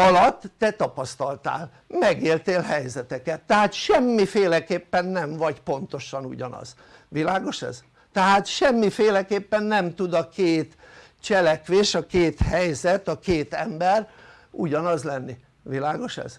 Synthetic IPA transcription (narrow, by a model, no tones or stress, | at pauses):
ɒlɒt̪ːɛt̪ɒpɒst̪ɒlt̪a̰ːl | mɛɡeːlt̪eːlɦɛjzɛt̪ɛkɛt̪ːɛhaːt̪ʃɛmːifeːlɛkeːpːɛnːɛɱvɒɟpo̞nt̪o̞ʃɒnṵɟɒnɒ̰z̥ | ʋilaːɡo̞ʃɛ̰z | t̪ɛɦaːt̪ʃɛmːifeːlɛkeːpːɛnːɛmt̪ud̪ɒkeːt̪ | t͡ʃɛlɛkʋeːʃɒkeːt̪hɛjzɛt̪ɒkeːt̪ɛmbɛr | ṵɟɒnɒzlɛnːi | ʋilaːɡo̞ʃɛ̰z̥